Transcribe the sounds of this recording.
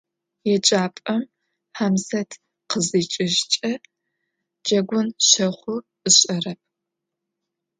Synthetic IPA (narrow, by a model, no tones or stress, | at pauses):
jɛt͡ʃʼaːpʼɐm | ħamsɐtʰ | qəzit͡ʃʼɪʒt͡ʃʼɐ | d͡ʒɐɡʷʊnɕɐχʷʊ | ɨɕʼɐrɐp̚ʰ